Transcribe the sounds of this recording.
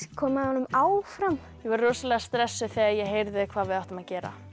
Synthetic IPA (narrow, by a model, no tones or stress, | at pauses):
kʰɔːmahanʏmaːwfɾam | jɛvɛɾroːsalɛɣast̪ɾɛsːʏθɛɣajɛɣɦejɾðɪkʰv̥aːðvɪðawht̪amaðcɛːɾa̰